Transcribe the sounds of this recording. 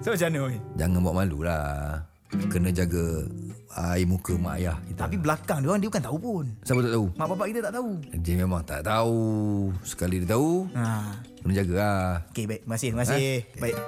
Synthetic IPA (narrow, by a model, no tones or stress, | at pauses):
sabat͡ʃanəd͡ʒaŋanbaaʔmalula | kənəd͡ʒaɡə | aimukəma̰ʔa̰jahkit̪apibəlakaŋdiaŋdiəbukant̪aupunsabət̪aʔt̪aumaʔpap̬aʔkit̪ət̪aʔt̪auəd͡ʒimemaŋt̪a̰ʔt̪ausə̥kalidiət̪auakənə̃d͡ʒaɡəaokebaiʔ̚məŋasɪməŋasɪhbai